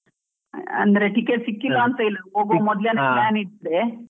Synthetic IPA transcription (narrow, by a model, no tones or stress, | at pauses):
ɐ̰nd̪ɾeʈikesikːilːant̪əjləboɡomɔd̪ljaneplaniʈ̚ːɽe